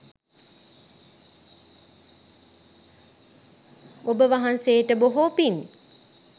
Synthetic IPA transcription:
obəʋaɦansejʈəboɦopin

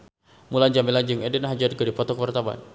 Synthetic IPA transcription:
mulanɲd͡ʒamilad͡ʒɨŋɛdɛnaɦad͡ʒad̪̚kədipɔt̪ɔkwart̪aba̰n

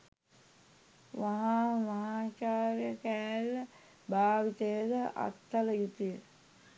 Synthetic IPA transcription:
ʋaɦaʋaɦaːt͡ʃaːɾjəkæːl | bʱaːʋit̪ejəd̪əʔa̰t̪ːɐləjut̪ijə

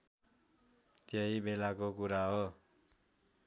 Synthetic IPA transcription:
t̪jeibelakokuɾaɦo

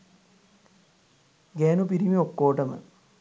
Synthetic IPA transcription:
ɡeːnupiɾimiokːoːʈːɐmɨ̰

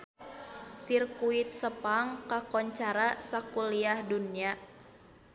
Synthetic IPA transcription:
sirkuit̪̚səpaŋkakɔɲt͡ʃaɾasakuliahdunia

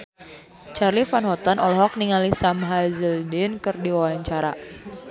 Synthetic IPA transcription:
t͡ʃarlifanɦɔt̪anʔɔlɔɦɔk̚niŋalisamɦazəldɪnkɨrdiwawaɲt͡ʃaɾa̰

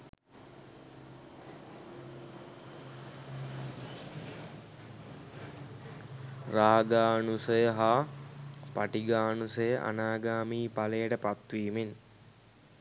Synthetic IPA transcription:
raːɡaːnusəjəɦaː | paʈiɡaːnusəjəʔa̰naːɡaːmiːpaləjəʈəpat̪ʋiːmen

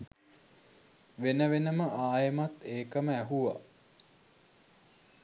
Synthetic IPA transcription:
ʋenəʋenəməʔaːjəmat̪ːeːkəməæɦuʋa̰

